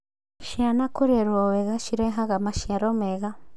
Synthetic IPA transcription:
ʃianakuɾeɾwoweɣaʃiɾeɦaɣamaʃjaɾomeɣa

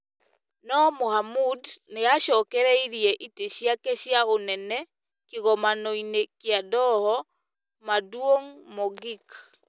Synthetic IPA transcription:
nɔmohamudneaʃɔkɛɾɛiɾiɛʔiteʃiakeʃjaonɛnɛ | kiɣɔmanɔinekeadɔhɔ | madwoŋmɔɡik

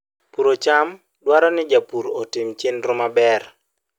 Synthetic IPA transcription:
puɾot͡ʃam | dwaɾɔnɪd͡ʒapuɾotɪmt͡ʃenɾʊmabɛr

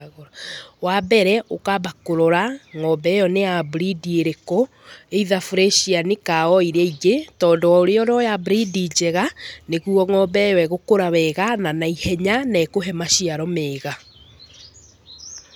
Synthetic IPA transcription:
wabɛɾɛʔokabakoɾɔɾaŋɔbɛjɔneabɾidieɾekɔ | eiðafuɾɛʃianekaɔiɾaiɡetɔːndɔwaoɾeɔɾɔjabɾidid͡ʑɛɣaneɣuɔŋɔbɛjɔɛɣokoɾawɛɣananaihɛɲanɛːkoɦɛmaɕiaɾɔmeːɣa

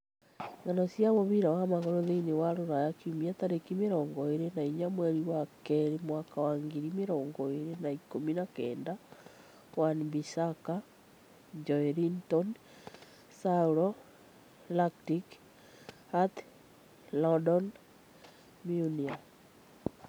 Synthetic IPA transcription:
ŋanɔsjaβoβiɾawamaɣɔɾoðenewaɾoɾajakiumiat̪aɾekimeɾɔːŋɡɔeɾenaiɲamwɛɾiwakɛɾimwakawaŋɡeɾimeɾɔːŋɡɔeɾenaikominakɛːnda | wanbisaka | ɲd͡ʒɔeɾintɔn | sauɾɔ | laktik | at̪ | lɔdɔn | miunia

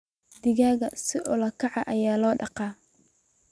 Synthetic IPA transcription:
d̪ɪɣaːɣɐsɪʔʊlɐkʰɑʕɑʔɐjaːlɔːɖɑqɑː

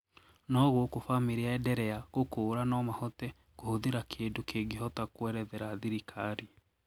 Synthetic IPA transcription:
nɔɣwokofamiɾiaɛdɛɾɛaɣokoːɾanɔmahɔtɛ | kohoðeɾakʰeːdokʰeɡeɦɔtakwɛɾɛðɛɾaːðiɾikʰaɾi

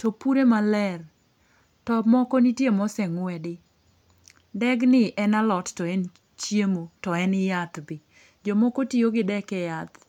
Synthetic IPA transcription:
topuɾemalɛr | tɔmɔkɔnitjemɔsɛŋʊɛdɪ | dɛɡnɪʔɛnalɔttɔɛn | t͡ʃjemotɔɛnɪjat̪bɪ | d͡ʒɔmɔkotioɡɪdɛkɛjat̪

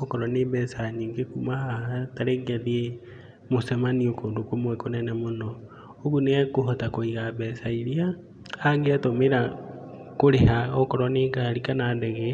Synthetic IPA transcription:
okɔɾɔnebɛsaɲiŋɡekumahahataɾeŋɡeðie | mosemaniokondokomwɛkonɛnɛmonɔ | oɣunɛkoɦotakoiɣabɛsaiɾia | aŋɡeatomeɾa | koɾehaokɔɾɔneɡaɾikanadɛɣɛ

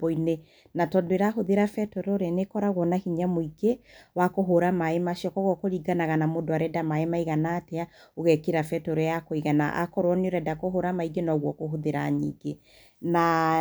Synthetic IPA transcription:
boine | natɔndoeɾaɦoðeɾafɛtɔɾoɾanekɔɾaɣwɔnahiɲamoiɡewakoɦoɾamaemaʃiɔkɔɣɔkoɾiɡanaɣanamodoaɾɛdamaemaiɣanaːteaoɣɛkeɾafɛtɔɾɔjakoiɣana̰ʔa̰kɔɾwɔneoɾɛdakoɦoɾamaiɡenɔɣwɔkoɦoðeɾa̰ɲḭɡe | na

